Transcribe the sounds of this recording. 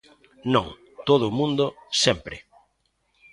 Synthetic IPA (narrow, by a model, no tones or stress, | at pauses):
nõŋ | t̪oð̞ʊːmũnd̪osɛmpɾɪ